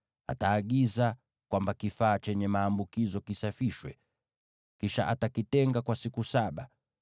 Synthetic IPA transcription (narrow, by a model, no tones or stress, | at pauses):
a̰taːɠiza | kwambakifaːt͡ʃɛɲɛmaːmbukizɔkisafiʃwɛ̰ | kiʃa̰ʔatakitɛŋɡakwasikusaɓa